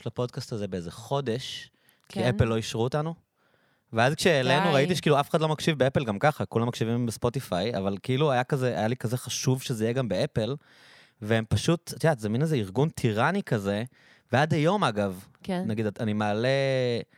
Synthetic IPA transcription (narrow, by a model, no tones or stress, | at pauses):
lapo̞dkastazebeezeχo̞de̞ʃ | kiepelːo̞iʃʁuotanu | veazkʃeːlenuʁait̬iʃekiluafe̥χadlo̞mɐkʃivbeepelɡamkaχakulamːakʃivimbespo̞t̪ifaja̰valkiiluajakazeʔa̰jalikazeχaʃuvʃezeijeɡambe̞epel | veempaʃutt̪iatzeminezeiʁɡuntʰiʁanikɐze | veadhajo̞maɡav | naɡid̪animaːle